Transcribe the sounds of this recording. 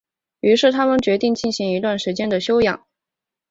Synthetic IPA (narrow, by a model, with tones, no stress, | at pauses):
y˧˥ʂɻ̩˥˩t̪ʰa˥mə˨nt͡ɕɥɛ˧˥t̪i˥˧ŋt͡ɕi˥˩nɕi˧˥ŋi˧˥t̪wa˥˩nʂɻ̩˧˥t͡ɕjɛ˥nd̪ə˨ɕjo˥ʊjɑ̰˨˩˦ŋ